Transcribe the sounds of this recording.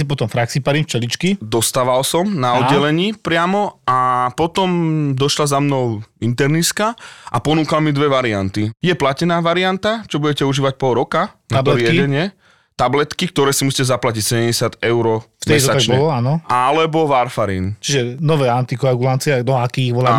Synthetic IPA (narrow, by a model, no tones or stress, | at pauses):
sipɔt̪ɔmfɾaksipaɾimft͡ʃɛlit͡ʃkid̪ɔst̪aːʋalsɔmnaɔd̪ːɛlɛɲiːpɾɪamɔapɔt̪ɔmd̪ɔʃlazamnɔʊint̪ɛɾniskaʔa̰pɔnuːkalmid̪ʋɛʋaɾiant̪ijɛplacɛnaːʋaɾiant̪at͡ʃɔbuɟɛcɛuʒiːʋac̚pɔɾɔkanaaɔɾɪɛɟɛɲɪɛ | t̪ablɛt̪kik̚t̪ɔɾɛːsimusiːcɛzaplacicsɛɟɛmɟɛsɪad̪ɛʊɾɔft̪ɛit̪ɔat̪at͡ʃɲɛɔlɔanɔalɛbɔʋaɾfaɾḭːnt͡ʃiʒɛnɔʋɛːant̪ikɔaɡulant͡siɛnɔakiːiɣʋɔla